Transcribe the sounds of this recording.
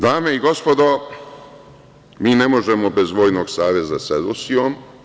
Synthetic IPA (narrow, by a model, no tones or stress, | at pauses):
d̪aːme̞iɡo̞spod̪o | miːnemo̞ʒemobe̞zʋo̞ːjnoːɡsaːʋe̞zased̪usiom